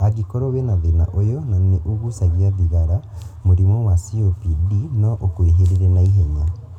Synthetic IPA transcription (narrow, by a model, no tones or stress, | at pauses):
aɣikɔɾɔwɛnaðenaʔojɔnaneʔuɣusaɣiaðiɣaɾamoɾimɔwasiopidinɔʔokweɦeɾeɾɛnaiɦeɲa